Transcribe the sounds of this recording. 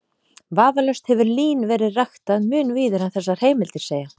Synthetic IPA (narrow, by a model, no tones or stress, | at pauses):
vaːvalœst̪hɛvʏɾliːnvɛːɾɪðraxt̪aðmʏːnviːðʏɾ̥hanθɛsːḁheːjmɪlt̪ɪɾ̥seːja